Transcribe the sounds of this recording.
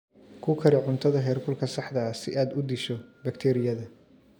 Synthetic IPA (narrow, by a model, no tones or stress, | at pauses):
kʰʊkʰɐɾɪʕʊnt̪ʰɐðɐɦɛːrkʰʊlkʰɐsɑħd̪ɐsɪʔaːd̪ʊd̪ɪʃɔbɐkt̪ʰɛːɾɪjɐðɐ